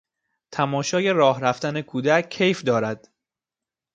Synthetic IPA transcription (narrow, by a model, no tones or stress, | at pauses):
t̪ʰæmɒːʃɒːje̞ɾɒːhɾæft̪ænekʰuːd̪æcʰːe̞jfd̪ɒːɾæd̪̥